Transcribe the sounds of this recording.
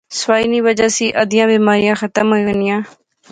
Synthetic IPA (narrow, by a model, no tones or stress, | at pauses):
sʋaːiːnĩːʋəd͡ʒaːsiːʔəd̪ɪjãːbiːmaːɾɪjãːxət̪əmɦoionɪjãː